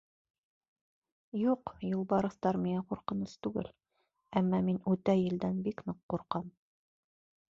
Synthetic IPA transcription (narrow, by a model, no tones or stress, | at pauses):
juqjulˠbɑɾɤ̆θt̪ɑɾmiŋæquɾqɤ̆nɤst̪ʉɡɘ̰l | æmːɑminʉt̪æjɘ̆ld̪ænbiknoqːuɾqɑm